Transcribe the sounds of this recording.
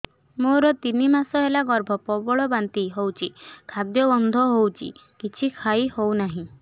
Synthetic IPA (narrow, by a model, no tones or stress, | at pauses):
moɾɔt̪inimasɔɦelaɡɔɾbʱɔpɔbɔɭɔbant̪iɦowt͡ʃʰikʰad̪jɔbɔnd̪ʱɔɦowt͡ʃʰḭkit͡ʃʰikʰaihownaɦĩ